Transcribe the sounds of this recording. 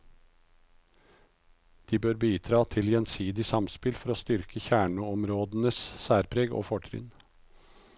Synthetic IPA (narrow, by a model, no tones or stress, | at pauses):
d̪̥iːbøːɾbiːd̪ɾɑːt̪ʰɪljɛnsiːd̪ɪsɑmspɪlfɔɾoːst̪ʏɾkʰəçæːɳəɔmɾoːd̪n̩əssæːɾpʰɾeːɡo̰ːfɔʈʰɾʏ̰ːn